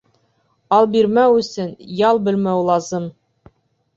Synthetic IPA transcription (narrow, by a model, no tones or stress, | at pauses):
ɑlˠbiɾmæwɵ̆sɵnjɑlˠbɘ̆lmæwlˠɑzɤm